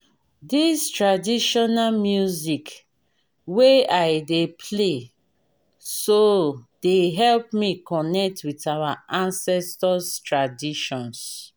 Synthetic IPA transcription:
distɹadiʃɔnamjuzik | weaɪdepʰle | sod̥eɦɛlp̚mikɔnɛk̚twitawaʔãnsɛstɔstɹadiʃɔ̃ns

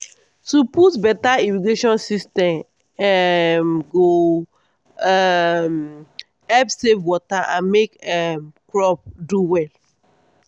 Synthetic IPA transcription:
tuputbɛtaimiɡeʃɔ̃nsistɛ̃m | ɛmɡo | ɛm | ɛpsevwɔtaʔãnmekɛmkɹɔp̚duwɛl

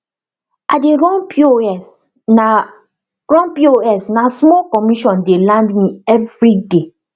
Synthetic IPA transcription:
adeɹɔ̃noɛs | ɹɔ̃npioɛsnasmɔlkɔmiʃɔ̃ndelãndmĩɛvɹide

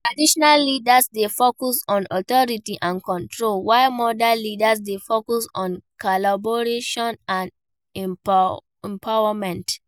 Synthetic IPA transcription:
tɹadiʃɔnalːidasdefokusɔ̃nɔtɔɹitiʔãnkɔ̃ntʰɹolwaɪmɔdalidas̬defokusɔ̃nkɔlabɔɹeʃɔ̃nãn | ɛ̃mpʰawamɛ̃nt

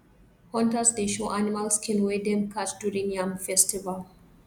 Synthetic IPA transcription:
hɔ̃ntasdeʃoʔanimalskĩnwedɛmkʰatduɹĩnjamfɛstival

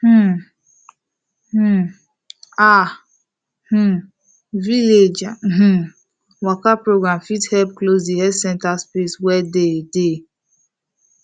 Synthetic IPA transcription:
h̩ | h̩ | a | h̩ | viled͡ʒh̩ | wakapɹoɡɹãmfithɛpklosdihɛdsɛ̃ntaspeswɛdede

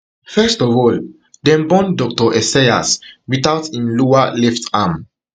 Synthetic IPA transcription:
fɛstɔvɔl | dɛ̃mbɔ̃ndɔk̚tɔʔɛsaja̰swiθawtĩnlɔalɛftam

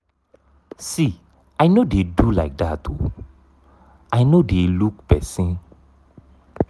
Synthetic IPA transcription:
si | ʔajnodedulajk̚datʰːṵ | ʔajnodeluk̚b̥ɛsĩn

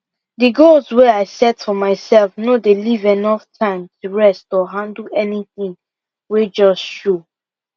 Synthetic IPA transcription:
dɨɡolsweaɪsɛtfɔmaɪsɛlfnodelivɛnɔftʰãɪ̃mtʰuɹɛstɔɦãndl̩ɛniθĩŋ | wed͡ʒɔstʃo

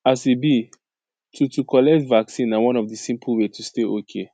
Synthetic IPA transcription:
asibi | tʰutukʰɔlɛk̚tvaksĩnːawɔ̃nɔfdisĩmpʰəlwetʰusteʔokʰe

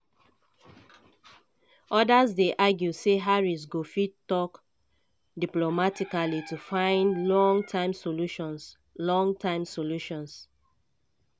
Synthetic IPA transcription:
ʔɔdasdeʔaɡjuseɦaɹis̬ɡofitːɔk | diplomatikalitufãɪ̃ndlɔ̃ŋtʰãɪ̃msoluʃɔ̃ns | lɔ̃ŋtʰãɪ̃msoluʃɔ̃ns

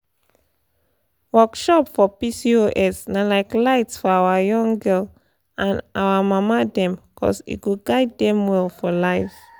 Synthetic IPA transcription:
wɜkʃɔpfɔpisioʔɛsnalaɪklaɪtsfɔawajɔ̃ŋɡɛl | ãnawamamadɛ̃mkʰɔ̰sḭtɡoɡaɪdːɛ̃mwɛlfɔlaɪv

